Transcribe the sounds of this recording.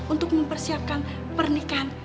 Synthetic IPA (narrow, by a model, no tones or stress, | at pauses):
ʔunt̪ʊk̚məmpərsiap̚kan | pərnikan